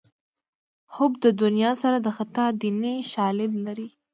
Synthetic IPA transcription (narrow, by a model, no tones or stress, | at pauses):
hʊbd̪əd̪ʊnijɑsaɾad̪əxat̪ɑd̪iniʃɑlɪd̪laɾi